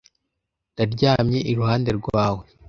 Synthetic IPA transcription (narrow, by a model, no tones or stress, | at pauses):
d̥aɾɟaːmɲe̞ʔiɾuhaːnde̞ɾɡwaːwe̞